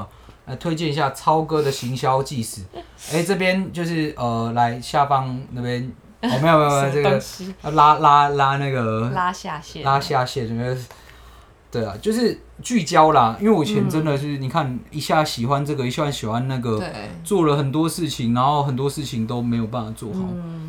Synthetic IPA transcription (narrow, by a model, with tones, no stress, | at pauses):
la˧˥ɪt̪ʰwe˥ɪt͡ɕjɛ˥˨ni˧ɕja˥˩t͡sʰɑ˦˥ʊkɤ˥d̪ə˨ɕi˨˧˥ŋɕjɑ˥ʊt͡ɕi˥˧s̩˨˩ | e˥˩ɪʈ͡ʂɤ˥˩p̬jɛ˥nt͡ɕjo˥˧ʊʂɻ̩˥˩ə˨˩la˧˦ɪɕja˥˩pɑ˦ŋna˥˩pjɛ˦˥n˨˩ | me˥jo˨˩e˥˧˥ʈ͡ʂə˥ɡə˩la˥la˥la˥na˥˩ɡə˩a˥a˥˧ɛ˨la˥ɕja˥˧ɕjɛ˥˨n˨˩˥ | t̪we˥˩ɪa̰˩t͡ɕjo˥˧ʊʂ̬ɻ̩˥˧ | t͡ɕy˥˩t͡ɕjɑ˦ʊla˨ḭ˥nwe˥˩ɪwɔ˨˩t͡ɕʰjɛ˨˦nʈ͡ʂə˦nd̪ə˨t͡ɕo˥˩ni˨˩kʰa˥˩ni˧˥ɕja˥˩ɕi˨˩xwa˦nʈ͡ʂɤ˥˩ɡə˩i˨˩ɕwa˦nɕi˨˩xwa˦nnːa˥˩ɡə˩t͡swɔ˥˩lə˩xə˨˩nt̪wɔ˦˥ʂɻ̩˥˩t͡ɕʰi˨˩ŋna˧˥nxo˥˩ʊɦə˨˩nt̪̬wɔ˦ʂɻ̩˥˩t͡ɕʰi˨ŋt̪o˥ʊme˧˥ɪjo˨˩ʊpa˥˩nfa˨˩t͡swɔ˥˨xo̰˥˩˦